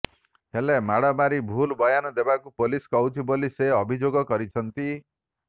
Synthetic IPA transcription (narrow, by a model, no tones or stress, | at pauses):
helemaɽamaɾibʱulbɔjanɔd̪ebakupoliskɔwt͡ʃʰiboliseɔbʱid͡ʒoɡɔkɔɾit͡ʃʰɔnt̪i